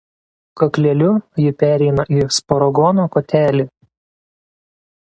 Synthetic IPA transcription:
kɐklʲɛlʲʊjɪpʲæːɾʲɛɪnɐʔiːspɔɾɔɡɔnokoːt̪ʲæːlʲiː

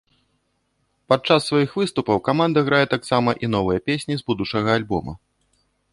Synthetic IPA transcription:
pat̪̚t͡ʂasːvajixvɨst̪upɐwkamand̪ɐɣɾajɛt̪aksamɐʔinɔvɨjɐpʲesʲnʲizbud̪ut͡ʂɐɣɐalʲbɔ̰mɐ̰

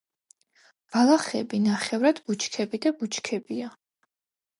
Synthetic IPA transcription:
b̥alˠaχɛ̰binaχɛvɾad̪̥but͡ʃʰkʰɛbid̪abut͡ʃʰkʰɛbia

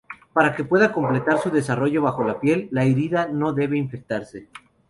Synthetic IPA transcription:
paɾake̞pwe̞ðako̞mple̞t̪aɾsuðe̞saro̞ʝo̞βaxo̞lapje̞lːaeɾiðano̞ðe̞βe̞iɱfe̞k̚t̪aɾse̞

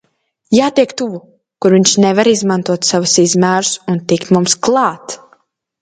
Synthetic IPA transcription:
jaːt̪iɛkt̪uvu | kuɾviɲʃnɛvaɾizmant̪uɔt̪savusizmæːɾusunt̪ikt̪mumsklˠɑːt̪

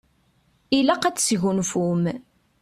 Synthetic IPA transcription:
ilæqæt͡sːsʝunfum

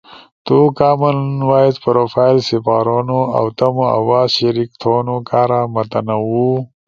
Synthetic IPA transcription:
t̪ukaːmɐlnwaːizpɾoːfaːjlsipaːɾonoa̰wt̪ɐmoɐ̰waːzɕɐɾik̚t̪ʰoːnokaːɾamɐt̪ɐnɐwu

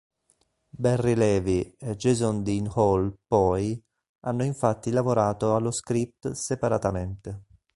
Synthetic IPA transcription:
bɛrːilɛːvied͡ʒezɔnd̪inhɔlpɔj | anːoiɱfat̪ːilavoɾaːt̪oalːoskɾip̚t̪sepaɾat̪ament̪e

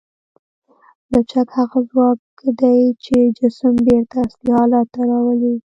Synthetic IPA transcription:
lat͡ʃak̪haɣazwɑk | d̪ajt͡ʃed͡ʒɪsəmbeɾt̪aslihɑlɑt̪ːaɾɑwəli

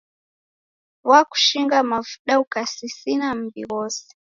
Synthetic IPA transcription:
waku̥ʃiŋɡamavuɗaukasisinam̩bḭwɔsɛ̥

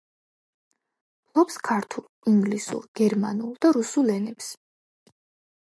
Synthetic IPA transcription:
lˠɔpskʰaɾt̪ʰulˠiŋɡlisṵɾɡ̥ɛɾma̰nulˠd̪̥aɾusulɛnɛps

